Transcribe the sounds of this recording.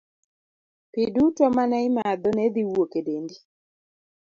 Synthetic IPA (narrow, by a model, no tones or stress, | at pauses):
pidutɔmanaɪmad̪ɔnɛd̪iwokedendi